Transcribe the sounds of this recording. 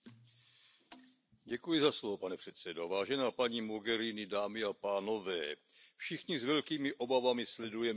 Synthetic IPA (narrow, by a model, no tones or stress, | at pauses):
ɟɛkujɪzaslovopanɛpr̝̥ɛt̪sɛdovaːʒɛnaːpaɲiːmoɡɛɾinɪdaːmɪapaːno̞vɛː | fʃɪxɲɪzvɛlkiːmɪʔo̞bavamɪslɛdujɛ